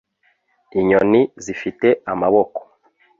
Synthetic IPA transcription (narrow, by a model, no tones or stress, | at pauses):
iɲonizifite̞amaβoko̥